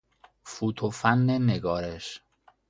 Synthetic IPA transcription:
fuːt̪ʰofænːeneɡɒːɾeʃ

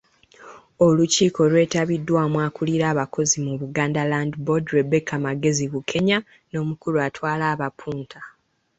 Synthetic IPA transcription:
o̞luciːko̞lwe̞ːtaβidːwaːmwaːkuliɾaːβakʰo̞zimuβuɡaːndalandbodɾebekamaɡe̞ziβukʰe̞ɲa | no̞ːmukuɾuatwaːlaːβapʰuːntʰa

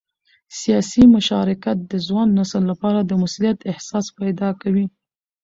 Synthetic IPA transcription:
sijɑsimʊʃɑɾɪkat̪̚d̪əzwɑnːasəlːapɑɾad̪əmʊsulijat̪ɪhsɑspajd̪ɑkawi

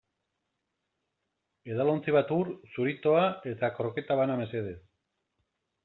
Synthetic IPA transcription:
e̞ðalo̞nt͡siβat̪uɾsuɾit̪o̞ae̞t̪akɾoke̞t̪aβaname̞se̞ð̞e̞s

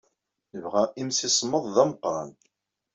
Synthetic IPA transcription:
nəvʁæimsisˤmːəðˤðæməqːɾˤɑ̰n

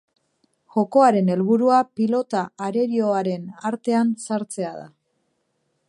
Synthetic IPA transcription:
ʝo̞ko̞aɾe̞ne̞lβuɾuapilo̞t̪aːɾe̞ɾio̞aɾe̞naɾt̪e̞ansaɾt͡se̞aða̰

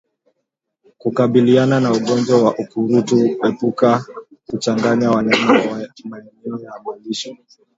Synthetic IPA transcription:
kukaɓiliananauɠɔnd͡ʒwawaʔukuɾutuɛpukaut͡ʃaŋɡaɲawanɛnamaɛnɛɔjaːɓaliʃɔ

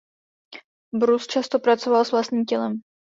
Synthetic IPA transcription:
bɾust͡ʃast̪opɾat͡sovalsvlast̪ɲiːmcɛlɛm

